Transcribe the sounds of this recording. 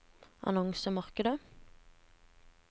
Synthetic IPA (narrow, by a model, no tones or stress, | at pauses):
ɑ̰nɔŋsəmɑʁkəd̪ə